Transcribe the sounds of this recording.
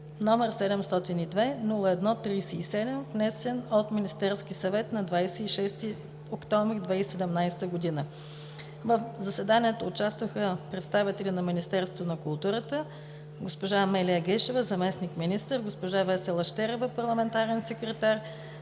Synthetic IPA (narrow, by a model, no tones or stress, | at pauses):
nɔmɛɾsɛd̪ɛmst̪ɔt̪inid̪vɛnulˠəɛd̪nɔt̪ɾisɛisɛd̪ɛmvnɛsɛnot̪minist̪ɛɾsk̟isɐvɛt̪nɐd̪vajsɛiʃɛst̪i | okt̪ɔɱvɾid̪vɛisɛd̪ɛmnajsɛ̥t̪əɡod̪inə | vəfzɐsɛd̪aniɛt̪oːt͡ʃast̪vəxəpɾɛt̪st̪avit̪ɛlʲinɐminist̪ɛɾsovonɐkʊlˠt̪uɾət̪ə | ɡospoʒamɛlʲiəɡəʃɛvəzɐmɛsnikminist̪əɾɡospoʒavɛsɛlˠɐʃt̪ɛɾɛvəpɐɾlˠɐmɛnt̪aɾɛnsɛkɾɛt̪aɾ